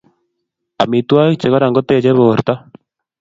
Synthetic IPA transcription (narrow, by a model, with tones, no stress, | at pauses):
a̰˨mi˨twa˦i˦t͡ʃe˨ɣa˦ɾa˨ŋɡo˦te˨t͡ʃe˦βo˨ɾt̪a˦